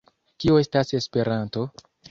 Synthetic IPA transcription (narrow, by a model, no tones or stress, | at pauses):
kioe̞stase̞spe̞ɾanto̞